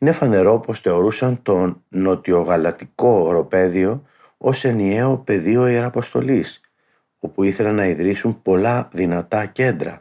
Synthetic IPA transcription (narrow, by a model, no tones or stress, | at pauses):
ine̞fɐne̞ɾo̞po̞sθe̞o̞ɾusɐnt̪o̞no̞t̪io̞ɣɐlɐt̪iko̞ɾo̞pe̞ðio̞ | o̞se̞nie̞o̞pe̞ðio̞ieɾɐpo̞st̪o̞lis | o̞puiθe̞lɐnɐiðɾisumpo̞lɐðinɐt̪ɐce̞nd̪ɾɐ̰